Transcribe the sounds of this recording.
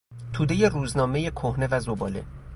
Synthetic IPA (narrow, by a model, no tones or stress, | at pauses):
t̪ʰuːd̪e̞je̞ruːznɒːme̞je̞kʰohne̞væzobɒːle̞̰